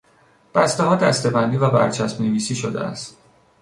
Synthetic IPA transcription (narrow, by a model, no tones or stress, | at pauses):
b̥æst̪eɦɒːd̪æst̪e̞bænd̪iːvæbæ̰ɾt͡ʃʰæsmneviːsiːʃod̪ḛæ̰st̪